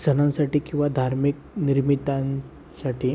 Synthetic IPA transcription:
d͡zʱənãnsaʈiːkĩw̃ʋad̪ʱaɾmik̚ | niɾmit̪ãn | saʈʰiː

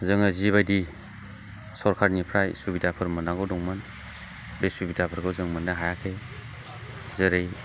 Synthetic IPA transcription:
zɯŋaziβadi | sɔɾkʰaɾnipʰɾajsubidapʰɯɾmɯnaŋɡɔwdɔŋmɯn | besubidapʰɯɾɡɔwzɯŋmɯnaɦajakʰej | zɯɾej

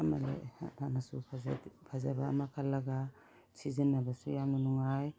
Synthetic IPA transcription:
ama̰lḛananasupʰapʰazabamakʰalːaɡa | sizənːabasujamnanuŋaj

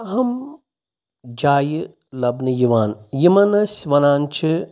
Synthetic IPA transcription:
ɐɦɐm | d͡ʒaːjɨ | lɐbnɨjiʋaːnjimɐnɐsʲʋɐnaːnt͡ʃʰi

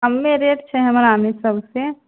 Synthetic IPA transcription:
ɦəmːẽɾeʈt͡ʃʰɛɦəmɾamesəbʱse

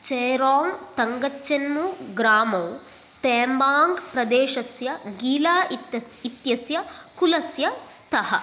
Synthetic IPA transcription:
t͡ʃeːɾaːŋt̪ɐŋɡɐt͡ʃːɐnmuɡɾaːmɐw | t̪eːmbaːŋɡpɾɐd̪eːʃɐsjɐɡiːlaːit̪jɐsjɐkulɐsjɐst̪ʰɐɦɐ̰

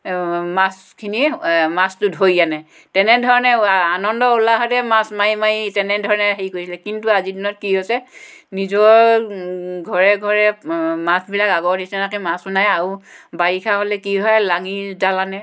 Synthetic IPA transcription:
mas | kʰinimastʊdʱojjanɛ | tɛnɛdʱɔɹɔnɛanɔndɔulaɦɔtɛmasmajmajtɛnɛdʱɔɹɔnɛɦejkojsilɛkintuazidinɔt̚kiɦɔsɛ | nizɔɹ | ɡʱɔɹɛɡʱɔɹɛmasbilakaɡɔɹnisanakimasunajaɹubaɹikʰaɦolɛkiɦɔɛlaŋidalanɛ

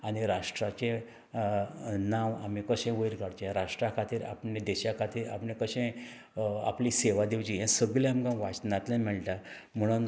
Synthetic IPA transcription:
añiɾaʂʈɾat͡ɕẽ | naʋamĩkəɕẽʋəjɾkəɽt͡ɕẽɾaʂʈɾakʰat̪iːɾa̰pnẽd̪ɛɕakʰat̪iːɾa̰pɳẽkəɕẽ | a̰pliseʋad̪ewt͡ɕijɛ̃səɡlẽamkãʋat͡snat̪lẽmɛɭʈam̤əɽ̃un

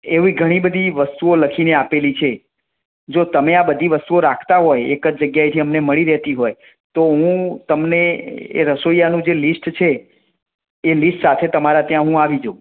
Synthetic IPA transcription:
eʋiɡʱəɽ̃ibəd̪ʱiʋəst̪uoləkʰineapelit͡ʃʰe | d͡ʒot̪əmeabəd̪ʱiʋəst̪uoɾakʰt̪aɦojekəd͡ʒd͡ʒəɡjajt̪ʰiəmneməɭiɾɛɦt̪iɦoj | t̪oɦũt̪əmneḛɾəsoijanũd͡ʒelisʈt͡ʃʰe | lisʈsat̪ʰet̪əmaɾat̪jãɦũaʋid͡ʒo

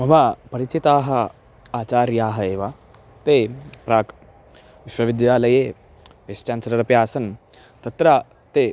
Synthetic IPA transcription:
mɐʋapɐɾit͡ʃit̪aːɦɐ̆ | aːt͡ʃaːɾjaːɦɐeːʋa | t̪eːpɾaːk | ʋiʃwɐʋid̪jaːlɐjeː | ʋest͡ʃãːnsɐɾɐɾɐpjaːsɐn | t̪ɐt̪ɾa | t̪eː

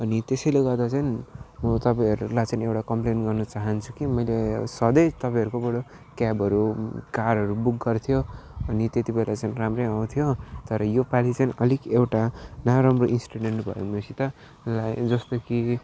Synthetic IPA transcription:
ʌnit̪esʌjleɡʌrd̪at͡sʌjnmʌt̪ʌpãʌɾulajt͡sʌnewʈakʌmplenʈɡʌrnʌt͡saɦʌnt͡sʰukimʌjlesʌd̪ʌjt̪ʌpaj̃ɦʌɾukobʌɽo | kabʱʌɾukarɦʌɾubuk̚ɡʌrt̪ʰjoʌnit̪et̪ibelat͡sʌjnramrʌjaw̃t̪ʰjot̪ʌɾʌjopalit͡sʌjnʔʌlikewʈanaɾʌmroinsi̥ʈaɽeɳʈbʱʌ̰jomosit̪a | lajd͡zʌst̪oki

